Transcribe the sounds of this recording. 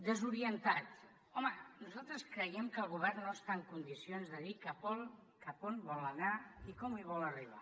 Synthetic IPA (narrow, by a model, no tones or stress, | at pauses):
d̪əzuɾiənt̪at̪ | ɔmənuzalˠt̪ɾəskɾəjɛmkəlˠɣ̞uβɛrnːoəst̪aəŋkund̪isionzðəðikəpɔl | kəponbɔlənaikɔmiβ̞ɔləriβ̞a̰